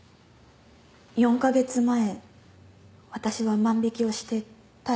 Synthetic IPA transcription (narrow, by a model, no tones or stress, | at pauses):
jõ̞ŋkaɡe̞t͡sɨmae̞ | βat̪aɕiβamãmbʲikʲio̞ɕi̥t̪e̞ | t̪a